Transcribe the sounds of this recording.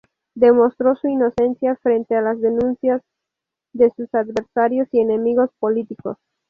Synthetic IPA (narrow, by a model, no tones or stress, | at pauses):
d̪e̞mo̞st̪ɾo̞suino̞se̞nsjafɾent̪e̞alazðe̞nũnsjaz | ðe̞susad̪βe̞ɾsaɾjo̞sie̞ne̞miɣo̞spo̞lit̪iko̞̰s